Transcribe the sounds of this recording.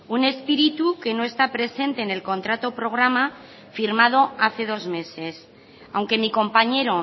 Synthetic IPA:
une̞spiɾit̪uke̞no̞e̞st̪apɾe̞se̞nt̪eːne̞lko̞nt̪ɾat̪o̞pɾo̞ɣ̞ɾama | fiɾmað̞o̞aθe̞ð̞o̞zme̞se̞s | awŋke̞miko̞mpaɲe̞ɾo̞

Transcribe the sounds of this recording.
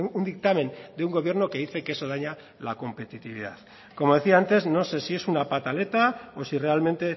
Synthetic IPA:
und̪ik̚t̪ame̞nd̪euŋɡo̞β̞je̞ɾnoke̞ðiθe̞keso̞ð̞aɲa | lako̞mpe̞t̪it̪iβ̞iða̰ð | ko̞mo̞ð̞e̞θiaant̪e̞zno̞se̞sie̞sunapat̪ale̞t̪aosire̞almẽ̞nt̪e̞

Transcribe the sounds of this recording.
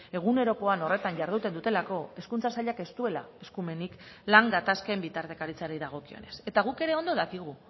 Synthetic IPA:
e̞ɣ̞une̞ɾo̞ko̞ano̞re̞t̪aɲʝaɾð̞ut̪e̞nd̪ut̪e̞lako̞e̞skunt͡sasaʎake̞st̪ue̞la̰e̞skume̞niklaŋɡat̪askembit̪aɾt̪e̞kaɾit͡saɾejðaɣ̞o̞kio̞̰ne̞se̞t̪aɣuke̞ɾe̞o̞nd̪oðakiɣ̞u

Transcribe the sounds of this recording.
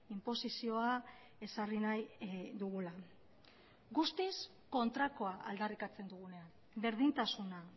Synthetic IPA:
impo̞sisio̞a | e̞sarinajd̪uɣula | ɡust̪is | ko̞nt̪ɾako̞aʔa̰ld̪arikat͡se̞nd̪uɣ̞une̞an | be̞ɾð̞int̪asuna

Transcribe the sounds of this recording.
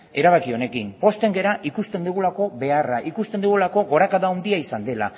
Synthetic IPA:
e̞ɾaβ̞akio̞ne̞kimpo̞st̪e̞ŋɡe̞ɾaʔikust̪e̞nd̪uɣ̞ulako̞βe̞araʔikust̪end̪uɣ̞ulako̞ɣo̞ɾakaðaond̪iaisand̪e̞la̰

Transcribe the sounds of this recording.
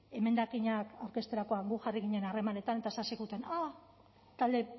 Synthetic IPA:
e̞me̞nd̪akiɲakawɾke̞st̪e̞ɾako̞aŋɡuxariɣiɲe̞nare̞mane̞t̪anet̪asasiɣut̪e̞na | t̪ald̪e̞

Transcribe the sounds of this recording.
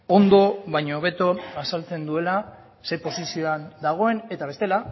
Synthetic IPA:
o̞nd̪o̞βajɲooβe̞t̪o̞asalt͡se̞nd̪ue̞la | sejpo̞sisio̞and̪aɣ̞o̞e̞ne̞t̪aβe̞st̪e̞la

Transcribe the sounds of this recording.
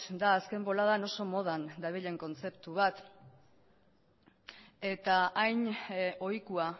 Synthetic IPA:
d̪aːske̞mbo̞laðano̞so̞mo̞ðand̪aβiʎe̞ŋko̞nt͡se̞pt̪uβat̪ | e̞t̪aajno̞jkua

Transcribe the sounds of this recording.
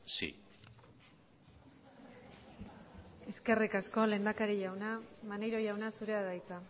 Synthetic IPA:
sḭ | eske̞rikasko̞le̞nd̪akaɾiʝawnamanejɾo̞jawnasuɾe̞aðajt͡sa

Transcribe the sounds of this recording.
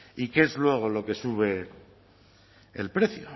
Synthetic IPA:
ikeezlwe̞ɣ̞o̞lo̞ke̞suβ̞e̞ | ḛlpɾe̞θjo̰

